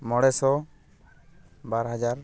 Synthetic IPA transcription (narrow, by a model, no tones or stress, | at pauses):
mɔɽɛsɔ | baɾɦad͡ʒaɾ